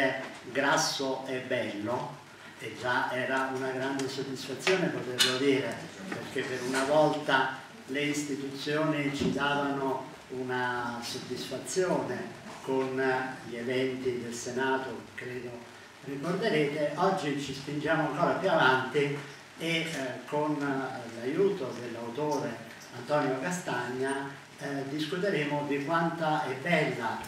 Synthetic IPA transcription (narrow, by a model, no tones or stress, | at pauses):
eɡɾasːoɛbːɛlːo | ed͡ʒːaʔɛːɾaunaɡɾand̪esod̪ːisfat̪sːjoːnepot̪erlod̪iːɾeperk̟epːeɾunavɔlt̪a | leist̪it̪ut̪sːjoːnit͡ʃid̪aːvano | unasod̪ːisfat̪sːjɔːnekonʎievɛnt̪id̪elsenaːt̪okɾeːd̪o | rikord̪eɾeːt̪eʔɔd͡ʒːit͡ʃispind͡ʒaːmoaŋkɔːɾapjuavant̪i | ekːonlajuːt̪od̪elːawt̪oːɾe | ant̪ɔnjokast̪aɲːa | d̪iskut̪eɾeːmʊd̪ikwant̪aɛbɛlːa